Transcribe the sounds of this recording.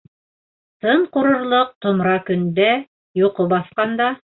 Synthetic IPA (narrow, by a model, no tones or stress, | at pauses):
t̪ɤɴqŏɾŏɾlˠoq̚t̪ŏmɾɑkɵ̆nd̪æ | joqobɑθqɑnd̪ɑ